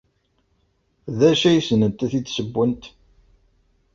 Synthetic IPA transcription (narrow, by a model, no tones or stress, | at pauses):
ðæʃæjsənənt̪æθit͡s̪ːsəbːənt̪